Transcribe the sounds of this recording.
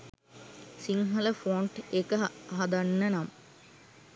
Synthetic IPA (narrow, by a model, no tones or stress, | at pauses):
siŋɦɐləfoːɳʈekəɦad̪anːənamə